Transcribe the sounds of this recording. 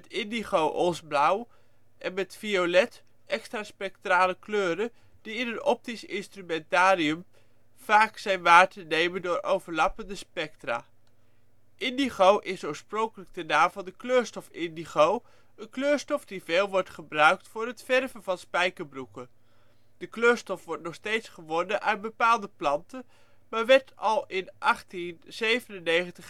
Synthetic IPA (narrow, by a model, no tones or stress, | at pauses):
ɛtɪndiχowʔosblʌw | ʔɛnmɛtfiolɛt | ɛkstraːspɛk̚traːləkløːɾə | d̥iɪnɦənɔp̚tisɪ̰nstrymɛntaːɾiəm | v̥aːksɛjnʋaːɹtənejməndʊːɹʔowvəɹlɑpəndəspɛk̚tra̰ː | ʔɪndiχowʔɪsoːɹsproŋkələɡ̚dənaːmvɑlnˠdəkløːɹstɔfɪndiχow | ənkløːɹstɔfdiveːlˠʋɔɹtχəbrœɥk̚tfʊːɹɦətfɛrvənvɑnspɛjkəɹbrukən | d̥əkløːɹstɔfʋɔɹtnɔχstejtsχəʋɔnəʔœɥtbəpaːlˠdəplɑntə | maːɹʋɛɹtɑlˠɪnʔɑχtinz̥ejvənənːejχəntəχ